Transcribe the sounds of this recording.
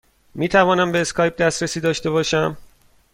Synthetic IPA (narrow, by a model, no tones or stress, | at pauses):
miːt̪ʰævɒːnæmbe̞ːskʰɒːjb̚d̪æst̪ɾesiːd̪ɒːʃt̪e̞βɒːʃæm